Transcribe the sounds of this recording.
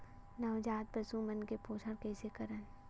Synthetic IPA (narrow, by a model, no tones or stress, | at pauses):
nɐwd͡ʒaːt̪̚bɐsumɐnkepoːsʰəɾkɛːsekɐɾən